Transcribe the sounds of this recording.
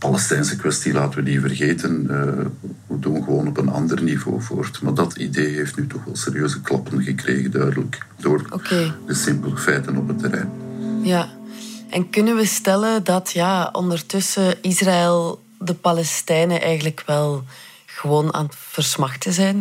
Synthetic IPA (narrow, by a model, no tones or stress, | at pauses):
pɑlɛstɛjnsəkʋɛstilaːtənʋədivərɣeːtənəədunɣəʋoːnɔpənɑ̰ndərnivo̰ːvo̰ːrtmaːrdɑtideːɦeftnyːtɔxʋɛlˠseːɾijøːzəklɑpənɣəkrḛːɣəndœɥdələkdoːrʔokeːdəsɪmpələfɛjtənɔpɦətːəɾɛ̰jnjaʔɛnkɵnənʋəstɛlədɑtjaːɔ̰ndərtʏsəɪsraɪlˠ | dəpɑlɛstɛjnəʔɛjɣənləkwɛlˠ | ɣəʋoːna̰ːnv̥ərsmɑxtəzɛjn